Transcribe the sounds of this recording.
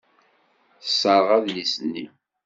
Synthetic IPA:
θsːəɾˤʁæðlisənːi

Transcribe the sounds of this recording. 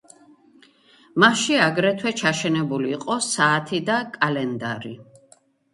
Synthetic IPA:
maʃiaɡɾɛt̪ʰwɛt͡ʃʰaʃɛnɛbuliːqʼɔsaːt̪ʰid̪akʼalɛnd̪a̰ɾḭ

